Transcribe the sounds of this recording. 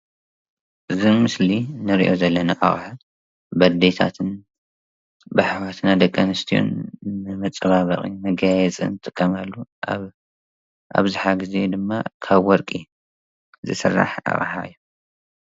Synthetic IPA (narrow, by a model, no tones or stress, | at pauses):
ʔɨzimɨslinɨɾḭʔo̞zɐlːɐnaʔa̰χʼħa | bɐd̪et̪ʰa̰t̪ʰɨn | baħwat̪ʰnad̪ɐkʼːɐnɨst̪ʰio̰nːɨmɨt͡sʼɨβaβɐχʼḭmɐɡajɛt͡sʼɨ̰nt̪ʼɨkʰːɐmalːua | ʔa̰βzɨħaɡize̞d̪ɨmːakʰaβwɔɾkʼi | zɨsɨrːa̰ħʔa̰χʼħa̰ʔɨ̰jːu